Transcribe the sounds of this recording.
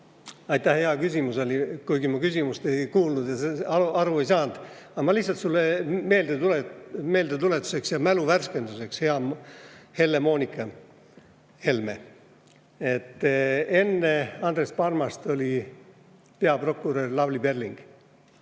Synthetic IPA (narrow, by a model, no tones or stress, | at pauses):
ɑjt̪ːˑæhheɑkysʲimuse̞likujɡ̥imukysimust̪e̞jkuːlnud̪̥jɑseɑɑɾue̞jsɑːnd̪̥ | ɑɑmɑlihsɑlt̪sulːeme̞ːld̪̥et̪uleme̞ːld̪et̪ule̞t̪ːˑu̥se̞ksjɑmæluværske̞nd̪use̞kshe̞ɑ | he̞lːemo̞ːnʲikːˑɑ | he̞lme | e̞t̪ːe̞nːe̞ɑnd̪re̞spɑrmɑst̪o̞lʲi | pe̞ɑpro̞kːˑuɾøːrlɑvlibe̞rliŋɡ̥